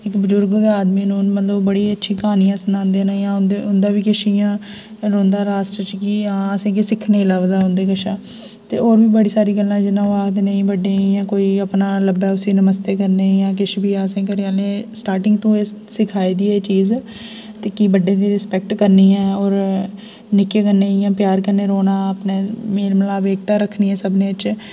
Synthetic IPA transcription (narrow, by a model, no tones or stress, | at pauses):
ɪkbəd͡ʒʊɾɡʋaːd̪mĩːnũːnmət̪ləbəɽiːətːʃʰĩːkaːnijãːsənãːnd̪eːnãːjãːʊnd̪eʊnd̪aːʋiːkɪʃijãː | ɾõːnd̪aːɾaːsʈɾət͡ʃkiːãːəsẽːkesɪkʰneːlaːʋd̪aːɦʊ̃nd̪eːkəʃaː | t̪ḛːoːɾbiːbəɽiːsaːɾiːɡəlːãːd͡ʒɪnːãːʋaːɦd̪nə̃ĩːbəɖeːijãːkoːiːəpnaːləbɛːʊsiːnəməst̪eːkəɾneːjãːkɪʃbiːãːsẽːk̬əɾãːlẽːsʈaːɾʈɪ̃ŋɡt̪õːessɪkʰaːiːd̪iːɛːt͡ʃiːz | t̪eːkiːbəɖẽːd̪iːɾɪspɛk̚ʈkəɾniːɛːɔːɾ | nɪkeːkəɾneːjãːpjaːɾkəɾneːɾoːnaːəpneːmeːɾməlaːbeːkt̪aːɾəkʰːniːɛ̃ːsəbneːɪt͡ʃ